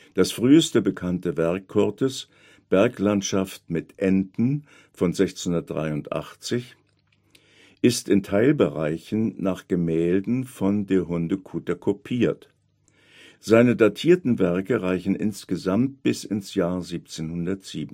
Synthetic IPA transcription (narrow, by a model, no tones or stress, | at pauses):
d̥asfʁ̥yːəstəbəkʰantəvɛɐkʰːɔɐtʰəs | b̥ɛɐklantʃaftmɪtʔɛntn̩ | fɔnzɛçt͡shʊndɐt̚d̥ʁa̰ɪʊntʔa̰χt͡sɪç | ʔɪstɪntʰaɪlbəʁaɪçn̩naːχɡ̥əmɛːldn̩fɔndeːɐɦʊndəkʰuːtɐkʰopʰiːɐt | z̥aɪnədatʰiːɐtn̩vɛɐkəʁaɪçn̩ʔɪ̰nsɡ̥əzamt̚b̥ɪsɪnsjaːɐziːp̚t͡seːnhʊndɐtz̥iːbn̩